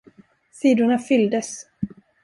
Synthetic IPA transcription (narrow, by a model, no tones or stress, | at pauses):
siːd̪ʊɳafʏld̪əs